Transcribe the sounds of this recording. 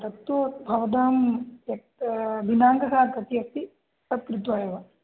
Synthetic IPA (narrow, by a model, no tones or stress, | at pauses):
ɾɐt̪ːoːbʱɐʋɐd̪aːmjɐk̪̚ | binaːŋɡɐɦaːt̪ɐt̪iɐsi | sɐpɾud̪ʋɐjɐʋɐ